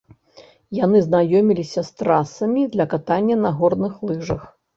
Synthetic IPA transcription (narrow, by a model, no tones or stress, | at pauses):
janɨznajɔmʲilʲisʲɐst̪ɾasɐmʲid̪lʲɐkat̪anʲːɐnɐɣɔrnɨxlˠɨʐɐx